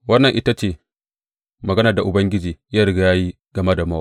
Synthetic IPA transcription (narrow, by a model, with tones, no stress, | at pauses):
wɐ˦nːɐ˨ŋʔɪ˦ta˦t͡ʃeː˦˨ | mɐ˨ɡɐ˦na˨da˨ʔʊ˨bɐ˦ŋɡʲɪ˦d͡ʒiː˨jɐ˦ɾɡa˨jaː˦ji˦ | ɡ̥ɐ˨me˦da˨ma˦a˦˨